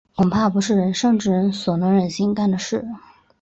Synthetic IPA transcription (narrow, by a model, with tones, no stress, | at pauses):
kʰʊ˨˩ŋpʰa˥˩pu˧˥ʂɻ̩˥˩ɻə˧˥nʂɤ˥˧ŋʈ͡ʂɻ̩˥˩ɻə˧˥nswɔ˨˩nɤ˧˥ŋɻə˨˩nɕi˧˥ŋt̪a˥˩nd̪ə˩ʂɻ̩˥˩